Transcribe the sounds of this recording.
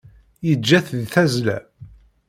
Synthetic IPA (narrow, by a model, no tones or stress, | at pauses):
jəd͡ʒːæθðθæzlæ̰